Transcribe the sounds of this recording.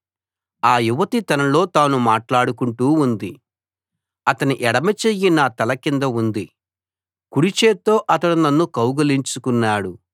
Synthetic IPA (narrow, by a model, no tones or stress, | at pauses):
aːjuʋɐt̪it̪ɐnɐlo̞ːt̪aːnumaːʈlaːɽukuɳʈuːund̪i | ɐt̪ɐniʔɛɽɐmɐt͡ʃejːinɐt̪ɐlɐkind̪ɐund̪i | kuɽit͡ʃeːt̪o̞ːʔɐt̪ɐɽunɐnːukɐwɡɐliɲt͡ʃukunːaːɽu